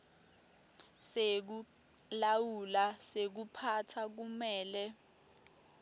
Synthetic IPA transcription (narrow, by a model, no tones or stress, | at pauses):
sek̬u | lawulasek̬upʰatʰak̬umɛːlɛ